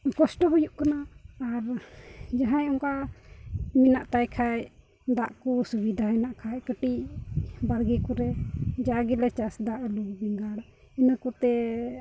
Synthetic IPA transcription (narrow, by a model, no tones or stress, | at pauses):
kɔsʈɔɦɔjuʔkanaːɾd͡ʒaɦãjɔŋka | minaʔt̪ajkʰaj | d̪aʔkɔsubid̪ʱaɦɛnaʔkʰajkəʈi | baɾɡikɔɾɛd͡ʒaɡilɛt͡ʃasd̪aʔluɡbɛŋɡaɽ | inakɔt̪ɛ